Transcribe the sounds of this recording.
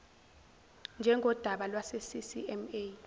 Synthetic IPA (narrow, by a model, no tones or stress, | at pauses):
nd͡ʒʱɛŋɡʱɔd̥ʱaɓalwasesisiɛme